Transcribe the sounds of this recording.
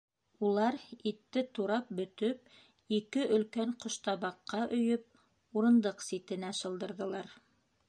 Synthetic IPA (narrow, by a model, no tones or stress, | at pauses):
ulˠɑɾit̪ːɘt̪uɾɑp̚bɵ̆t̪ɵp̚ | ikɘʔɵ̆lkæɴqŏʃt̪ɑβɑqːɑʔɵ̆jɵp̚ | uɾɤ̆nd̪ɤqsit̪ɘ̆næʃɤ̆lˠd̪ɤ̆ɾðɤ̆lˠɑɾ